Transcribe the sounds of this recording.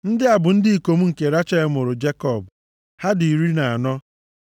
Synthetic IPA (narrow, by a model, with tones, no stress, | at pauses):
n̩˦dɪ˦a˨bʊ˨n̩˦dɪ˦i˨ko˨m̩˦ŋ̩˨ke˨ɾa˦t͡ʃe˦e˦mʊ˨ɾʊ˨d͡ʒe˦kɔ˦˨b | ha˦di˨i˨ɾi˦na˨a˨nɔ˦